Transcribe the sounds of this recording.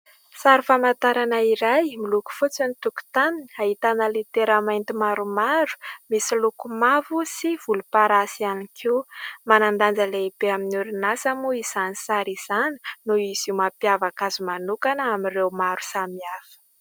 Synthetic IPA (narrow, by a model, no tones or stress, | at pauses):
saɾifamat̪aɾanaiɾajmiluku̥fut͡sanit̪uku̥t̪amini̥aɦit̪anəlit̪eɾamajnt̪imaɾumaɾu̥misilukumavusiv̥ulupaɾasianikʰiumanand̪and͡zəleib̥eaminuɾinasamuizanisaɾiz̥ani̥nuizimapiavakazumanukanəamirewmaɾu̥samiafə̥